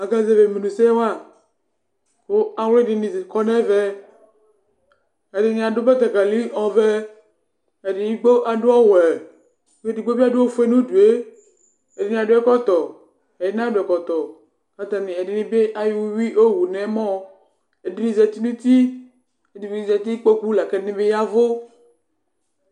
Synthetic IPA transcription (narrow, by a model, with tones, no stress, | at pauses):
a˨ɡa˨ze˨ve˨me˨nũ˨se˦wa˦ | xo˦a˨wle˦di˨nĩ˨zkɔ˦nɛ̃˦vɛ˦ | e˨di˨nĩ˨a˨ɖo˦be˦t̪a˨ɡa˨li˦ɔ̃˨vɛ˦ | e˨di˨nĩ˦ɡ͡bo˦ʔa˨ɖo˦ɔ˦wɛ˨˦ | e˦di˨ɡ͡bo˦bi˦a˦do˦o˦fe˦nũ˦du˨e˦ | e˨di˨nĩ˨˦a˨ɖo˦ɛ˦kɔ˦t̪ɔ˨ | e˨i˦nã˦do˨ɛ˨kɔ˨t̪ɔ˨ | ka˦t̪a˨nĩ˨e˨di˨nĩ˦be˦ʔa˦ji˦wu˦wi˦ʔo˦wu˨nɛ̃˨˦mɔ̃˦ | e˨di˦nĩ˨zɛ˨t̪i˦nũ˦t̪i˦ | e˨di˨bnĩ˨zɛ˨t̪i˦k͡po˦ku˦la˨kɛ˦nĩ˦be˦ja˦vo˦